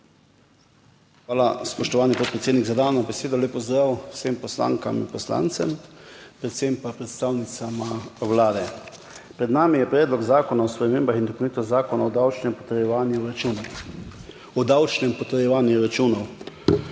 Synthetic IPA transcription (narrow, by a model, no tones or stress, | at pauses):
xʋaːlaspɔʃt̪ɔʋaːnipoːt̪̚pɾɛt̪seːd̪niɡzad̪aːwnɔbɛseːd̪ɔleːpɔzd̪ɾawsempɔsla̰ːŋkaminpɔsla̰nt̪sɛ̰mpɾɛt̪sempapɾɛt̪st̪aːwnit̪samawlaːd̪ɛ | pɾɛd̪naːmijɛpɾɛːd̪lɔɡzaːkɔnaɔspɾɛmeːmbaxind̪ɔpowniːt̪ɔszaːkɔnaɔd̪awt͡ʃnɛmpɔt̪əɾjɛʋanjuɾun | ɔd̪awt͡ʃnɛmpɔt̪əɾjɛʋaːnjuɾat͡ʃuːnɔw